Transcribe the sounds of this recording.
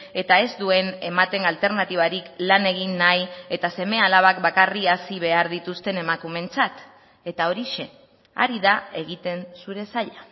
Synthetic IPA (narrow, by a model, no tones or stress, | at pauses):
e̞t̪ae̞zd̪ue̞ne̞mat̪e̞ŋalt̪e̞ɾnat̪iβ̞aɾiklane̞ɣ̞inːaje̞t̪ase̞me̞alaβ̞ak̚bakariasiβ̞e̞aɾðit̪ust̪e̞ne̞makume̞nt͡sat̪ | e̞t̪ao̞ɾiʃe̞ | a̰ɾiðae̞ɣit̪e̞nsuɾe̞saʎa